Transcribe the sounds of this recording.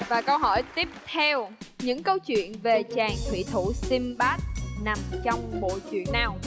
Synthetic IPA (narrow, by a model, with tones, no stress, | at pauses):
vaː˨˩kə˧wɦɔ˧˩jt̪i˦˥əp̚t̪ʰɛ˧wɲɨ̰˧˥ŋkə˧wt͡ɕwḭ˧˨ənve˨˩t͡ɕaː˨˩ŋt̪ʰwḭ˧˥t̪ʰu˧˩si˧mɓaː˦˥t̚na˨˩mt͡ɕɔ˧wŋ͡mɓo̰˧˨t͡ɕwḭ˧˨ənːaː˨˩w